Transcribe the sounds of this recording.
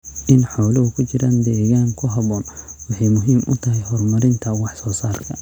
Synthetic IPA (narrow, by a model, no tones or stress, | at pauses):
ʔɪnħɔlɐɦʊkʰʊt͡ʃɪɾaːnd̪ɛːɣaːŋkʰʊɦɐβɔːnwɑħɑjmʊɦiːmʔʊ̰t̪ʰɐɦɛjɦɔːrmɐɾɪnt̪ʰɐwɑħsɔːsaːrkʰɐ